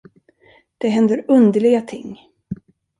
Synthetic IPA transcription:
d̪̥ɛɦɛnd̪əɾɵnd̪əɭɪɡat̪ʰɪŋː

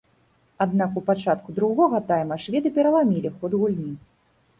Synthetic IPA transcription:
ad̪nakupat͡ʂat̪kud̪ɾuɣɔɣɐt̪ajmɐʂvʲɛd̪ɨpʲɛɾɐlˠamʲilʲixɔd̪ɣulʲnʲi

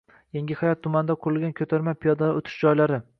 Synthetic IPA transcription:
jeŋɡʲɪhajɒt̪ʰːʊmand̪aqʰʊɾɪlɡʲankʲʰɵt̪ʰaɾmapʰijɒd̪aot̪ʰɪ̥ʃd͡ʒɒjlaɾɪ

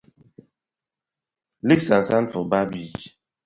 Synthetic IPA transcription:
liksãnsanfɔbabid͡ʒ

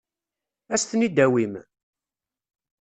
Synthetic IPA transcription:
æst̪nid̪æwim

